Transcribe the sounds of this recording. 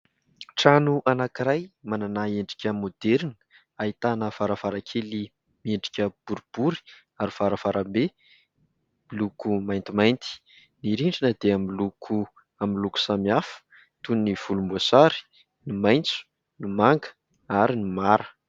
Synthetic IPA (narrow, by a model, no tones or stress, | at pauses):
ʈ͡ʂanuʔanakiɾajmananaeɳɖ͡ʐi̥kʲəmod̪eɾin | aɦit̪anəv̥aɾəv̥aɾakʲʰeli | mieɳɖ͡ʐi̥kʲəb̥uɾub̥uɾi̥ | aɾiv̥aɾəvaɾəmbe | milukumajnt̪imajnt̪i̥ | niɾiɳɖ͡ʐinəd̪eamilukʰu | amiluku̥samiafə̥ | t̪unniv̥ulumboasaɾi̥ | nimajnt͡su̥ | nimaŋɡə̥ | aɾinimaɾə̥